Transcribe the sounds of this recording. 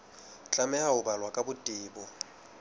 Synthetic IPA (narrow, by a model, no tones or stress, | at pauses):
t͡ɬʼamɛhaʊbalwakʼabʊtʼiːbɔ